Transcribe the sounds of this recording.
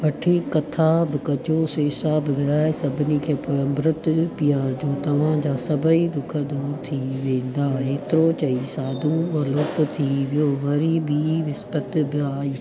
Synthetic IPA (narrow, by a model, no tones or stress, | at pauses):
ʋɐʈʰikɐt̪ʰabɪkɐd͡ʑʱoseːsaːbɪʋɪɾaːesɐbʱɪnikʰeːpɐɐ̃mbɾət̪pijaːɾd͡ʑoːt̪ɐʋ̤ãd͡ʑaːsɐbʱəid̪ʊkʰəd̪oːɾt̪ʰiʋẽːn̆d̪aːeːt̪ɪɾot͡ɕɐisaːd̪ʱũɐloːkt̪ʰiʋijoʋɐɾibʱiʋɪspət̪bɪaːiː